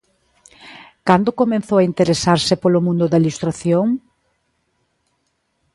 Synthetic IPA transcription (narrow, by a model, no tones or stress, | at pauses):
kand̪okomẽnθowaint̪eɾesaɾsɪpolomũnd̪ʊðɐilust̪ɾaθjoŋ